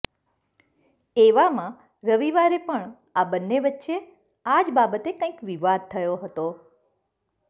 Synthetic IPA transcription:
eʋamã | ɾəʋiʋaɾepəɳ | abənːeʋətːʃe | ad͡ʒbabət̪ekə̃ĩkʋiʋad̪̚t̪ʰəjoɦət̪o

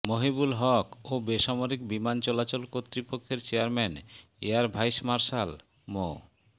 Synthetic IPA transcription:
moɦibulɦɔkobeʃamoɾikbimant͡ɕɔlat͡ɕolkot̪ːɾipokʰːeɾt͡ɕeaɾmɛn | ḛaɾbʱajʃmaɾʃal | mo̰

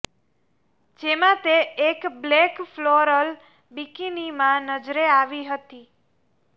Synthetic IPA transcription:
d͡ʒemãt̪eːkblekfloɾəl | bikinimãnəd͡ʒɾeaʋiɦət̪i

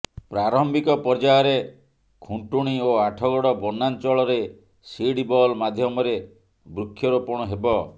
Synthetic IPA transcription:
pɾaɾɔmbikɔpɔɾd͡ʒaɔɾe | kʰuɳʈuɽ̃ioaʈʰɔɡɔɽɔbɔnant͡ʃɔɭɔɾe | siɽibɔlmad̪ʱjɔmɔɾe | bɾukʰːjɔɾupɔɽ̃ɔɦebɔ

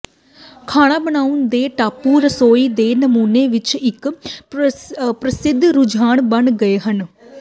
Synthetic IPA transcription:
kʰaːɽ̃aːbəɽ̃aːuʊnd̪eːʈaːpuːɾəsoːiːd̪eːnəmuːneːʋɪt͡ʃɪk | pɾəsɪd̪ʱɾʊd͡ʒaːɳbəɳɡəeːɦən

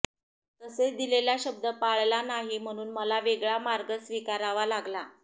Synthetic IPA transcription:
t̪əset͡sd̪ileljaɕəb̚d̪əpaɭlanaɦim̤əɽ̃uːnməlaʋeɡɭamaɾɡəsʋikaɾaʋalaɡla

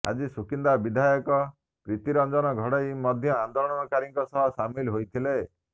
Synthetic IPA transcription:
a̰d͡ʒisukind̪abid̪ʱajɔkɔ | pɾit̪iɾɔnd͡ʒɔnɔɡʱɔɽɔimɔd̪ʱjɔand̪olɔɽɔnɔkaɾiŋkɔsɔɦɔsamilɦojt̪ʰile

